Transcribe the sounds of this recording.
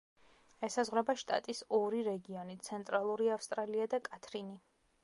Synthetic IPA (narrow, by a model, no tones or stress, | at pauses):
ɛsazʁwɾɛbaʃt̪ʼa̰t̪ʼisɔɾiɾɛɡiɔnit̪sʰɛnt̪ʼɾalˠuɾiafst̪ʼɾaliad̪akʼat̪ʰɾini